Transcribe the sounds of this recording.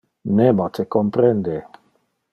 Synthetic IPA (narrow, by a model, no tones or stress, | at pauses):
nemot̪ʰekompɾɛnd̪e